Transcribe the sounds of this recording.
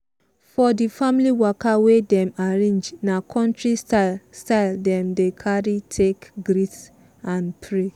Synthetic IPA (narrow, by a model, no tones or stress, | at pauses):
fɔdifãmliwɔkawedɛ̃maɹẽnd͡ʒnakʰɔ̃ntɹistaɪldɛ̃mdekʰaɹitʰekɡɹit | ãnpʰɹe